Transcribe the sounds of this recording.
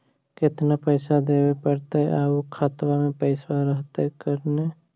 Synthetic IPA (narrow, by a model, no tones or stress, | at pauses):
kɪt̪napəɪsad̪eːwepəɾt̪eɛaːukʰat̪wamẽpəɪswaɾəɦt̪eɦɛkəɾne